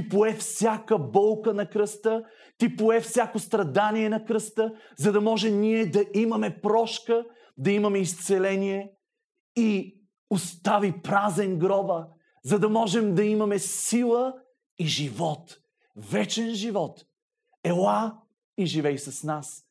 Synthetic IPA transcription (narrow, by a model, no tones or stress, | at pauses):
t̪ipoɛfsʲjakəbɔlˠkənɐkɾɤst̪ə | t̪ipoɛfsʲakost̪ɾɐd̪aniɛnɐkɾɤst̪ə | zɐd̪ɐmɔʒɛmniɛd̪ɐʔimɐmɛpɾɔʃkə | d̪ɐimɐmɛist̪sɛlɛniɛ | i | ost̪avipɾazɛnɡɾɔbə | zɐd̪ɐmɔʒɛmd̪ɐimɐmɛsilˠə | iʒivɔt̪ | vɛt͡ʃɛnʒivɔt̪ | ɛlˠa | iʒivɛjsɐsnas